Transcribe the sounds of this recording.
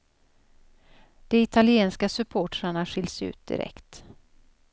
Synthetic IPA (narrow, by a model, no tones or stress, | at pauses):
d̪̥ɛɪt̪ʰalɪeːnskasɵpʰoːʈɾaɳaɧɪlsʉ̟̰ːt̪̚d̪̥ɪ̰ɾɛ̰kt̪